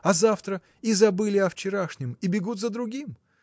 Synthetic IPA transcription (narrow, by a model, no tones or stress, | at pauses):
ɐzaft̪ɾə | izɐbɨlʲɪɐft͡ɕɪɾaʂnʲɪmibʲɪɡut̪zəd̪ɾʊɡʲim